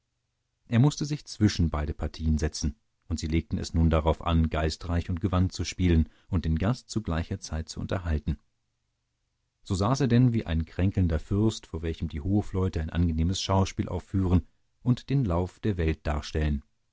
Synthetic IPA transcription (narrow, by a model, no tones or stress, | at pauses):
ʔeːɐmʊstəzɪçt͡sv̥ɪʃn̩baɪɾəpʰaɐtʰiːənzɛt͡sn̩ | ʔʊntz̥iːleːk̚tn̩ɛ̰snuːndaʁaʊfʔa̰nɡaɪstʁaɪçʊnt̚ɡ̥əvantt͡suʃpiːlən | ʔʊnt̚d̥eːnɡastt͡suɡlaɪçɐt͡saɪt̚t͡suʔʊ̰ntɐɦaltn̩ | z̥oːzaːseːɐdɛnviːʔa̰ɪnkʁ̥ɛŋkl̩ndɐfʏɐstfoːɐvɛlçəmdiːhoːflɔʏtəaɪnʔa̰nɡəneːməsʃaʊʃpiːlʔa̰ʊfːyːʁ̞ən | ʔʊntd̥eːnlaʊfd̥eːɐvɛlt̚d̥a̰ːɐʃtɛlən